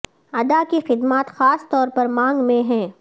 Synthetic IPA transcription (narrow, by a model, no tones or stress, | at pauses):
ɐd̪akixɪd̪maːt̪xaːst̪ɔːɾpɐɾmãːŋɡmẽɦɛ̃ː